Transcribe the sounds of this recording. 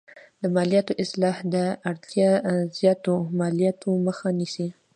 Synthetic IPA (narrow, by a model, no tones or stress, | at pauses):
d̪əmɑlijɑt̪oʔɪslɑhd̪əaɽt̪jɑzjɑt̪omɑlijɑt̪ʰoməxanisi